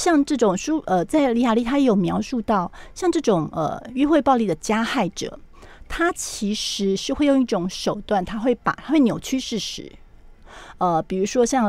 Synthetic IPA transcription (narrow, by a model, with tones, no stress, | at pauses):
ɕjɑ˥˧ŋʈ͡ʂɤ˥˩ʈ͡ʂʊ˨˩ŋʂu˥ʔə˧t͡sa˥˩ɪli˧˥ja˨˩li˥t̪ʰa˥jɛ˧˥jo˨˩ʊmjɑ˧˥ʊʂu˥˧t̪ɑ˥˩ʊɕjɑ˥˧ŋʈ͡ʂɤ˥˩ʈ͡ʂʊ˨˩ŋə̰˨˩y˥˧xwe˥˧ɪpɑ˥˧ʊli˥˩d̪ə˩t͡ɕja˥xa˥˩ɪʈ͡ʂɤ̰˨˩˦ | t̪ʰa˥t͡ɕʰi˧˥ʂɻ̩˧˥ʂɻ̩˥˧xwe˥˧ɪjo˥˧ŋi˥˩ʈ͡ʂʊ˨˧˥ŋʂo˨˩ʊt̪wa˥˩nt̪ʰa˥xwe˥˩ɪpa̰˨˩t̪ʰa˥xwe˥˩ɪnjo˨˩ʊt͡ɕʰy˥ʂɻ̩˥˩ʂɻ̩̰˧˥˦ | ə˧˩pi˨˩ɻu˧˥ʂwɔ˥ɕjɑ˥˩ŋ